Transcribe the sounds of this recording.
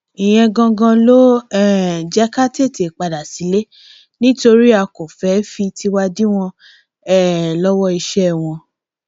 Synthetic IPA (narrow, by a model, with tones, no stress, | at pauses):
i˨j̃ɛ̃˧ɡã˧ɡã˧lo˦ɛ˦d͡ʒɛ˦ka˦te˦˨te˨k͡pa˨da˨si˨˦le˦ | nĩ˦to˧ɾi˦a˧ko˨fɛ˨˦fi˧ti˧wa˧di˦w̃ɔ̃˧ | ɛ˦˨lɔ˦wɔ˦i˧ʃɛ˦˨w̃ɔ̃˧